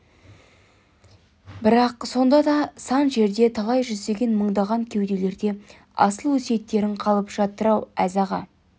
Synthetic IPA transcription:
bɪɾɑqso̞nd̪ɑd̪ɑsɑnʒe̞ɾd̪e̞t̪ʰɑlˠɑjʒʏzd̪e̞ɡʲe̞nməɴd̪ɑʁɑŋkʲʰe̞wd̪e̞le̞ɾd̪e̞ | ɑ̰səlˠwɵsiet̪ːe̞ɾɪɴqʰɑlˠəpʒ̥ɑt̪ːəɾɑwæzɑʁɑ

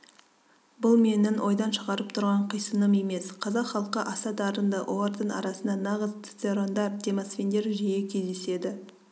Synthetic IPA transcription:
bʊlˠme̞nɪnwʔo̞jd̪ɑnʃəʁɑɾəp̚t̪ʰʊɾʁɑɴqʰəjsənəme̞me̞sqʰɑzɑqχɑlˠqəʔɑsɑd̪ɑɾənd̪ɑʔolɑɾd̪əɴɑ̰ɾɑsənd̪ɑnɑʁəz̥t̪seɾo̞nd̪ɑɾd̪emasfʲend̪e̞ɾʒejekʲʰe̞zd̪e̞se̞d̪ɪ

